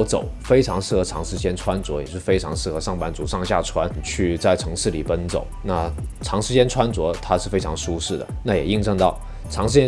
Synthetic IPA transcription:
ʊt͡so̰˨˩ʊfe˥ɪʈ͡ʂʰɑ˧˥ŋʂɻ̩˥˩xɤ˧˥ʈ͡ʂʰɑ˧˥ŋʂɻ̩˧˥t͡ɕjɛ˥nʈ͡ʂʰwa˥nt͡swɔ˧˥jɛ˨˩t͡ɕo˥ʂ̩˥˧fe˥ɪʈ͡ʂʰɑ˧˥ŋʂɻ̩˥˩xɤ˧˥ʂɑ˥˩ŋpa˧˥nt͡su˨˩ʂɑ˥˧ŋɕja̰˥˩ʈ͡ʂʰwa˥nt͡ɕʰy˥˧t͡sa˥˩ɪʈ͡ʂʰɤ˧˥ŋʂɻ̩˥˩li˨˩pə˥nt͡so̰˨˩˦ʊna˥˩ | ʈ͡ʂʰɑ˧˥ŋʂɻ̩˧˥t͡ɕjɛ˥nʈ͡ʂʰwa˥nt͡swɔ˧˥t̪ʰa˥ʂɻ̩˥˩fe˥ɪʈ͡ʂʰɑ˧˥ŋʂu˥ʂɻ̩˥˩d̪ə̰˩na˥˩jɛ˨˩i˥˧ŋʂɤ˥˧ŋt̪ɑ˥˩ʊ | ʈ͡ʂʰɑ˧˥ŋʂɻ̩˧˥t͡ɕjɛ˥

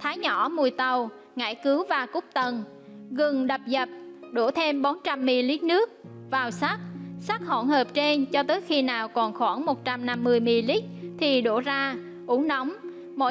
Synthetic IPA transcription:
t̪ʰaː˨˦jɲɔ˧˩mu˨˩əjt̪ə˨˩w | ŋa̰˧˩jkɨ˨˦wvaː˨˩kʊ˦˥k͡p̚t̪ə˨˩n | ɣɨ˨˩ŋɗə˨˩p̚zə˨˩p̚ɗu˧˩t̪ʰe˧mɓo˨˦nt͡ɕa˧mːi˧li˦˥t̚nɨ˦˥ək̚vaː˨˩wsa˦˥k̚sa˦˥k̚ho̰˧˩nhəː˨˩p̚t͡ɕe˧nt͡ɕɔ˧t̪əː˨˦jxi˧naː˨˩wkɔ˨˩nxwaː˧˩ŋmo˨˩t̚t͡ɕa˧mna˧mːɨ˧əjmi˧li˦˥t̚t̪ʰi˨˩ɗo˧˩zaː˧ | ʔu˨˧˦ŋna˨˦wŋ͡m | mo̰˧˥

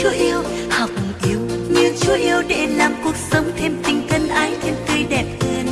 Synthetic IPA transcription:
u˨˦ʔi˧əw | ha˨˩wk͡p̚m̚˨˩ʔi˨˦əwɲɨ˧t͡ɕu˨˦ʔi˧əwɗḛ˧˩laː˨˩mku˨˩ək̚sə˨˦wŋ͡mt̪ʰe˧mt̪ï˨˩ŋ̟t̪ʰə˧nʔaː˨˦jt̪ʰe˧mt̪ə˧jɗɛ˨˩p̚ɣə˧n

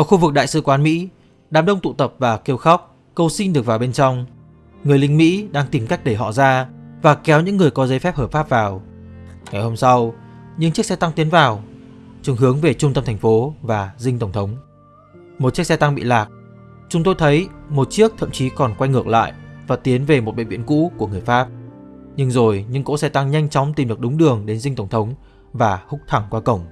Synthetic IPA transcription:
ʔəː˧˩xu˧vɨ˨˩k̚ɗa̰ː˧˨jsɨ̰˧˨kwaː˨˦nmḭ˧˥ | ɗaː˨˦mɗə˧wŋ͡mt̪ṵ˧˨t̪ə˨˩p̚vaː˨˩ke˧əwxɔ˦˥wk͡p̚ | kə˧wsi˧nɗɨ˨˩ək̚vaː˨˩ɓe˧nt͡ɕɔ˧wŋ͡m | ŋɨ˨˩əjlï˧ŋ̟mḭ˧˥ɗaː˧ŋt̪i˨˩mka˦˥jk̚ɗə˧˩jɦɔ̰˧˨zaː˧vaː˨˩kɛ˨˦wɲɨ̰˧˥ŋːɨ˨˩əjkɔ˨˦zə˨˦jfɛ˦˥p̚həː˨˩pfaː˦˥p̚vaː˨˩w | ŋa˨˩jho˧msa˧w | ɲɨ̰˧˥ŋt͡ɕi˦˥k̚sɛ˧t̪a˧ŋt̪i˨˦ənvaː˨˩wt͡ɕɨ˨˩˦ŋɦɨ˨˦əŋve˨˩t͡ɕʊ˧ŋ͡mt̪ə˧mt̪ʰa˨˩ŋ̟fo˨˦vaː˨˩zï˧ŋt̪ə˧˩wŋ͡mt̪ʰə˨˦wŋ͡m | mo˨˩t͡ɕi˦˥ək̚sɛ˧t̪a˧ŋɓḭ˧˨laː˨˩k̚ | t͡ɕʊ˨˦ŋ͡mt̪o˧jt̪ʰə˨˦jmo˨˩t̚t͡ɕi˦˥ək̚t̪ʰə̰˧˨mt͡ɕi˨˦kɔ˨˩nkwa˧jŋɨ˨˩ək̚la̰ː˧˨jʔvaː˨˩t̪i˨˦ənve˨˩mo˨˩t̚ɓə̰˧˨ŋvḭ˧˨ənkṵ˧˥ku˧˩əŋɨ˨˩əjfaː˦˥p̚ | ɲɨ˧ŋzo˨˩jɲɨ̰˧˥ŋko̰˧˥sɛ˧t̪a˧ŋɲa˧jŋ̟t͡ɕɔ˨˦wŋ͡mt̪i˨˩mɗɨ˨˩ək̚ɗʊ˨˦ŋ͡mɗɨ˨˩əŋɗe˨˦nzï˧ŋt̪ə˧˩wŋ͡mt̪ʰə˨˦wŋ͡m | vaː˨˩hʊ˦˥k͡p̚t̪ʰa˧˩ŋkwaː˧kə˧˩wŋ͡m

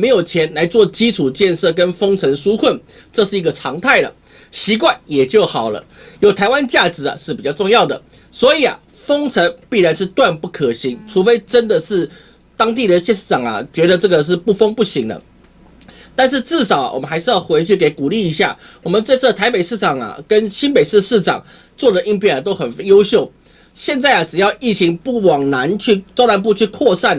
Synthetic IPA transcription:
m˧˥ɪjo˨˩ʊt͡ɕʰjɛ˧˥nla˧˥ɪt͡swɔ˥˨t͡ɕi˥ʈ͡ʂʰu˨˩t͡ɕjɛ˥˧nʂɤ˥˩k̬ə˦nfo˥ŋt͡sʰə˧˥ŋʂu˥kʰwə˥˩n | ʈ͡ʂɤ˥˧ʂɻ̩˥˩i˧˥ɡə˨ʈ͡ʂʰɑ˧˥ŋt̪ʰa˥˩ɪlə̰˩ | ɕi˧˥kwa˥˩njɛ˨˩t͡ɕjo˥˩ʊxɑ˨˩ʊlə̰˦jo˨˩ʊt̪ʰa˧˥ɪwa˦˥nt͡ɕja˥˩ʈ͡ʂɻ̩˧˥a̰˨ʂɻ̩˥˩pi˨˩t͡ɕjɑ˥˧ʊʈ͡ʂʊ˥˧ŋjɑ˥˨˩ʊd̪ə̰˩ | swɔ˧˥i˨˩ɐ̰˨˩ | fo˥ŋt͡sʰə˧˥ŋpi˥˩ɻa˧˥nʂɻ̩˥˧t̪wa˥˧npu˥˩kʰə˨˩ɕi˧˥ŋʈ͡ʂʰu˧˥fe˥ɪʈ͡ʂə˦˥nd̪ə˨ʂɻ̩˥˩ | t̪ɑ˥ŋt̪̬i˥˩d̪ə˨ɕjɛ˥˧nʂɻ̩˥˩ɑ˨˩ŋɐ̰˨t͡ɕɥɛ˧˥d̪ə˨ʈ͡ʂɤ˥˩ɡə˩ʂ̬ɻ̩˥˧pu˥˩fɤ˥ŋpu˥˩ɕi˧˥ŋd̪ə̰˨ | t̪a˥˧nʂ̬ɻ̩˥˧ʈ͡ʂɻ̩˥˩ʂɑ˨˩ʊ̰˨wɔ̰˨˩mə˦nxa˧˥ɪʂɻ̩˥˧jɑ˥˩ʊxwe˧˥ɪt͡ɕʰy˥˩ke˧˥ɪku˨˩li˥˩i˧˥ɕja˥˩wɔ˨˩mə˦nt͡sa˥˧ɪt͡s̩ʰ˥˩t̪ʰa˧˥ɪpe˨˩ɪʂɻ̩˥˩ʈ͡ʂɑ˨˩ŋɐ̰˨˩kə˦nɕi˥npe˨˩ɪʂɻ̩˥˧ʂɻ̩˥˩ʈ͡ʂɑ̰˨˩˦ŋ | t͡swɔ˥˩d̪ə˩ʔi˥ŋpʰjɛ˥˩na˨˩t̪̬o˥ʊxə˨˩njo˥ʊɕjo˥˩ʊ | ɕjɛ˥˧nt͡sa˥˩ɪɐ˩ʈ͡ʂ̩˨˩jɑ˥˧ʊi˥˩t͡ɕʰi˧˥ŋpu˥˩wɑ˨˩ŋna˧˥nt͡ɕʰy˥˩t͡sa˥ʊna˧˥np̬u˥˧t͡ɕʰy˥˧kʰwɔ˥˧ʂa˥˩n

